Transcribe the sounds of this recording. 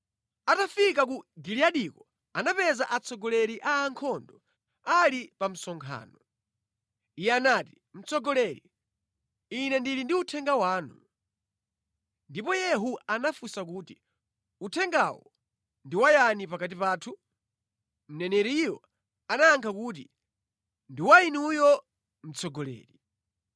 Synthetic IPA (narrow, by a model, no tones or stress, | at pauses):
atafik̬ak̬uɡiliaɗikɔ | anapɛzaʔat͡sɔɡɔlɛɾiʔaːŋkʰɔndɔ | alipam̩sɔŋkʰa̰ːnɔ | ijɛanaːti̥ | m̩t͡sʰɔɡɔlɛɾḭ | inɛndilindiutʰɛŋɡawaːnu | ndipɔjɛɦuanafusak̬uːti | utʰɛŋɡawɔ̰ | ndiwajanipakat̬ipaːtʰu | m̩nɛnɛɾiiwɔ | anajaŋkʰakuːt̬i | ndiwainiujɔ | m̩t͡sʰɔɡɔlɛ̰ːɾi